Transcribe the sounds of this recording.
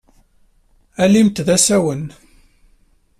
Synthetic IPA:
ælimt̪ðæsæwən

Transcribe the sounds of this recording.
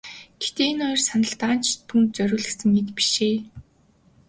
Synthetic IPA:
ɡ̥et̪eːinɔjrsanə̆ɬt̪aːnt͡ɕʰt̪ʰunt̪̚t͡sœɾʲʊːɮɘ̆xsɘ̆ŋːet̪pi̥ʃeː

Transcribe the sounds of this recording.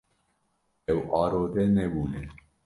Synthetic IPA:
ɛwɑːɾoːd̪ɛnɛbuːnɛ

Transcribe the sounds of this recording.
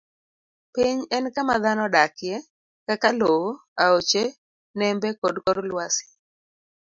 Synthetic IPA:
piɲɛnkamaðanɔɗakɪjɛ | kakalooaot͡ʃe | nɛmbɛkɔdkɔɾlwasɪ̥

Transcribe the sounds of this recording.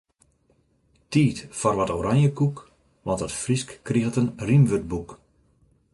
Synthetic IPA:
tiːtfɔrʋɔtoɾanjəkuk | ʋɑntətfriskːritənrimʋøt̚buk

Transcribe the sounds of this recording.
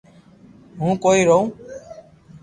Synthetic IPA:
ɦũːkoːiːɾoũː

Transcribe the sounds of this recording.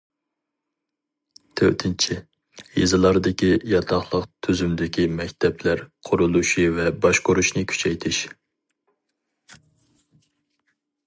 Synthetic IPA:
t̪ʰø̰t̪ʰɪnt͡ʃʰi | jḛzɨlˠɑɾd̪ɪkʲijɑt̪ʰɑχlˠəqt̪ʰyzymd̪ɪkʲimɛkʲt̪ʰɛplæɾqʰʊɾulˠuʃivɛbɑʃqʊɾuʃnɪkʲʰy̥t͡ʃʰɛjt̪ʰɪʃ

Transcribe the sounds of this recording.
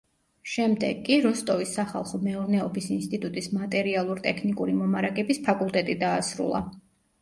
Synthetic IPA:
ʃɛmd̪ɛɡːiɾɔst̪ʼɔvisːaχa̰lˠχɔmɛɔɾnɛɔbisinst̪ʼit̪ʼut̪ʼismat̪ʼɛɾialˠuɾt̪ʼɛkʰnikʼuɾimɔmaɾaɡɛbispʰakʼulˠt̪ʼɛt̪ʼid̪aːsɾṵlˠa̰

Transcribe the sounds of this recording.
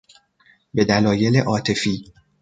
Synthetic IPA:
be̞d̪ælɒːje̞leʔɒːt̪ʰe̞fiː

